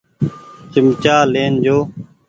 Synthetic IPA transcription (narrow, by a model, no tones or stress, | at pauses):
t͡ʃəmt͡ʃaːleːnd͡ʒoː